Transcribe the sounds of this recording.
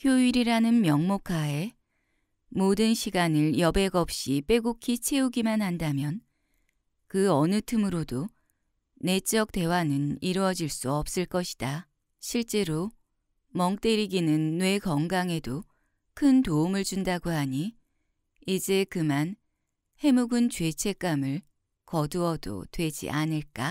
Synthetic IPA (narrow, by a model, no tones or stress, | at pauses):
kʰjoiɾiɾanɯnmjʌŋmokʰae̞ | modɯnɕʰiɡanɯɭjʌbe̞ɡʌp̚ɕ͈ip͈e̞ɡukʰit͡ɕʰe̞uɡimanhandamjʌn | kɯʌnɯtʰɯmɯɾodo | ne̞t͡ɕ͈ʌk̚t͈e̞wanɯniɾwʌd͡ʑiɭs͈uʌp̚s͈ɯɭk͈ʌɕʰi̥d̥a | ɕʰiɭt͡ɕ͈e̞ɾo | mʌŋk̚t͈e̞ɾiɡinɯnːwe̞kʌŋɡaŋe̞do | kʰɯntoumɯɭt͡ɕundaɡoɦaɲi | id͡ʑe̞kɯman | he̞muɡɯnt͡ɕwe̞t͡ɕʰe̞k͈amɯɭ | kʌduʌdo̰twe̞d͡ʑḭʔanɯɭk͈a